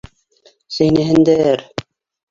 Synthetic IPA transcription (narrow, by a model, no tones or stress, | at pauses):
sɘjnæ̆ɦɘ̆nd̪æɾ